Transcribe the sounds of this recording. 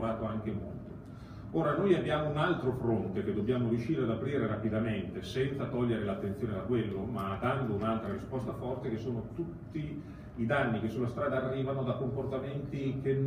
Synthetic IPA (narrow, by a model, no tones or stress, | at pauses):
ɾaːt̪oaŋk̟emo̰lt̪o | oːɾanojabjaːmounalt̪ɾofɾont̪ek̟ed̪ːobjaːmoɾjuʃːiːɾead̪apɾiːɾeɾapid̪ament̪esɛnt̪sat̪ɔʎːeɾelat̪ːent̪sjoːned̪akwelːomad̪and̪ounalt̪ɾaɾispɔst̪afɔrt̪ekesːoːnot̪ut̪ːiː | d̪anːikesːulːast̪ɾaːd̪aːrːiːvanod̪akomport̪ament̪ik̟en